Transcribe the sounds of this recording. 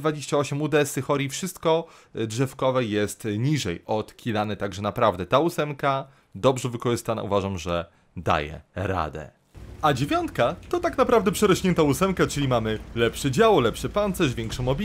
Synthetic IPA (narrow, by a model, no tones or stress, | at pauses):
d̪vad͡ʑeɕt͡ɕaɔɕɛmud̪ɛsɘxɔɾʲifʂɘst̪kɔdʐɛfkɔvɛjɛst̪ɲiʐɛjɔt̪kʲilanɛt̪aɡʐɛnapɾavd̪ɛt̪ausɛmka | d̪ɔbʐɛvɘkɔʐɘst̪ana̰uvaʐamʐɛ | d̪a̰jɛ̰ɾa̰d̪ɛ̰ | ad͡ʑevʲjɔnt̪kat̪ɔt̪aknapɾavd̪ɛpʂɛɾɔɕɲɛnt̪ausɛmkat͡ʂɘlʲimamɘlɛpʂɛd͡ʑawɔlɛpʂɛpant̪sɛʐvʲjɛŋkʂɔ̃mɔbʲi